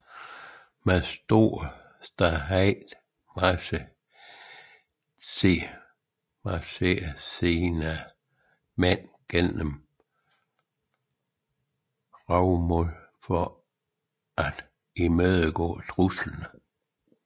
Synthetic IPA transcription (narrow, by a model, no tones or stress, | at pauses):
mæsd̥o̝ɐ̰ | sd̥ɑɦæɪd̥ | mɑsə | sʰe | mɑseːseːnæ | men̰ɡ̥enəm | ʁɑʊmɔl | fɒ | ʔæd̥ | imøðˠəɡ̥ɔ̰ːt͡sʰʁuslnə